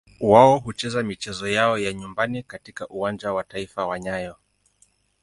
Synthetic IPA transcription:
waɔɦut͡ʃɛzamit͡ʃɛzɔjaɔjaɲumbanikatikaʔuwand͡ʒawataifawaɲajɔ

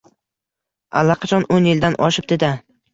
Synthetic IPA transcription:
a̰lːɑqʰɑt͡ʃʰɒnonjɪld̪anʔɒʃɪp̚d̪ed̪a

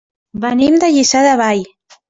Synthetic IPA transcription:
bənimd̪əʎisaðəβaj

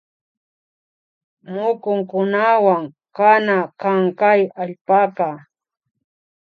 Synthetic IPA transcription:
mʊkʊŋkʊnawaŋ | kanakaŋkajaʎpaka

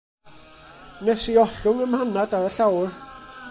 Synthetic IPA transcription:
nɛsiɔɬʊŋəmhanadaðəɬawr

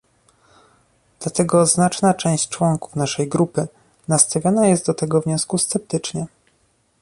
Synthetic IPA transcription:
d̪lat̪ɛɡɔznat͡ʂnat͡ʂɛ̃w̃ɕt͡ɕt͡ʂwɔŋku̥fnaʂɛjɡɾupɘ | nast̪avʲjɔnajɛst̪d̪ɔt̪ɛɡɔvɲɔ̃skust̪sɛp̚t̪ɘt͡ʂɲɛ

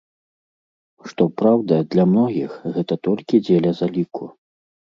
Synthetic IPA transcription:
ʂt̪ɔpɾawd̪ɐd̪lʲɐmnɔɣʲixɣɛt̪ɐt̪ɔlʲkʲid͡zʲelʲɐzalʲiku

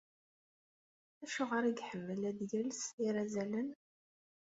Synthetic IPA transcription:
æʃʊʁəɾiɡħəmːəlæðjəlsiɾæzælən

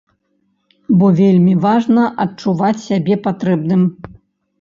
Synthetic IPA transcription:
bɔvʲelʲmʲivaʐnɐʔɐt͡ʂuvat͡sʲsʲabʲɛpat̪ɾɛbnɨm

